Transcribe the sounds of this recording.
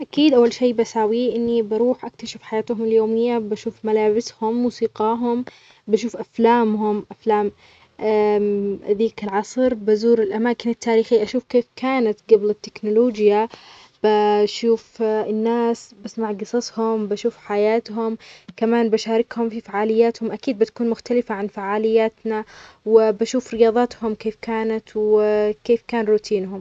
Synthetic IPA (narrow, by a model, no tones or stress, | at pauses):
ʔakiːd̪ʔawːalʃeːbasaːwiʔɪnːibaɾuːħʔak̚t̪aʃɪfħajaːt̪hʊmɪljoːmɪjːabaʃuːfmalaːbɪshʊmːuːsiːqɑːɦʊm | baʃuːfʔaflaːmɦʊmʔaflaːm | ðiːkalʕɑsˤɾbazuːɾɪlʔamaːkɪnɪt̪ʰːaːɾiːxiʔaʃuːfkeːfkʰaːnat̪ɡablɪt̪ːɪ̥knʊloːd͡ʒja | b̥aʃuːfɪnːaːsbasmaʕɡɨsˤɑsˤhʊmbaʃuːfħajaːt̪ɦʊmkamaːnbaʃaːɾˤɪkhʊmfifaʕaːlɪjːaːt̪hʊmʔakiːd̪̚bɪt̪ḁkuːnmʊxt̪alɪfaʕanfaʕaːlɪjːaːt̪nawɪbaʃuːfɾɪjɑːðˤɑːt̪hʊmkeːfkaːnat̪wɪkeːfkaːnɾut̪ʰiːnɦʊm